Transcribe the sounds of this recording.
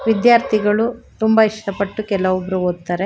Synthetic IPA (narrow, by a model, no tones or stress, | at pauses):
ʋid̪jaːɾt̪ʰiɡɐɭut̪umbɐiʂʈɐpɐʈːukɛlɐʋubɾuoːt̪ːɐɾe